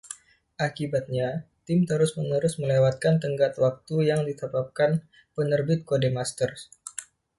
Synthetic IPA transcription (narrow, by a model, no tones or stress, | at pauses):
ʔakibat̪̚ɲat̪ɪmt̪əɾʊsmənəɾʊsməlewat̪̚kant̪əŋɡat̪wak̚t̪ujaŋdit̪əbap̚kan | pənərbɪt̪̚kodemast̪ər